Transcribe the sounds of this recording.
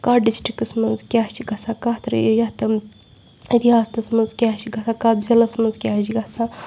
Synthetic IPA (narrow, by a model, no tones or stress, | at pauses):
kaːɖisʈɾikɐsmɐnzkʲaːt͡ʃiɡɐsakaːt̪ɐɾə̰jojat̪ɐ | d̪ʲiaːst̪ɐsmɐnzkʲat͡ʃiɡɐt͡sʰaːkaːzʲɐlɐsmɐnzkʲaːɦd͡ʒiɡɐt͡sʰaː